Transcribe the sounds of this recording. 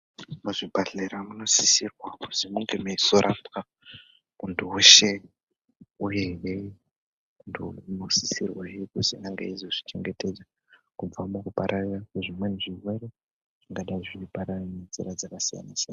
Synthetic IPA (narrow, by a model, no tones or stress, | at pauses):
muʐibʱaɮeɾamuno̞sisirwaku̥zimuŋɡemeisoɾʔapka | untʰuweʃe̞ | ujewe | untʰunosisirwaekusinaŋɡa̰izoʐit͡ʃe̞ŋɡe̞te̞d͡za | kub͡vamukupaɾʔarirakeʐimwe̞niʐiwe̞ɾe | ʐ̥iŋɡaɗaiʐipaɾarnend͡ziɾad͡zakasija̰nasijanna